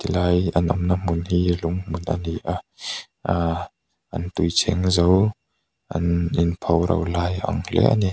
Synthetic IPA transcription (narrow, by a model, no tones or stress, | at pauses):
t̪ilajanʔɔmnamunhilʊŋmunʔania | ʔant̪ujt͡sʰɛŋzɔw | ʔaninpʰɔwɾɐ̰wlaːjʔa̰ŋlɛ̰ʔa̰ni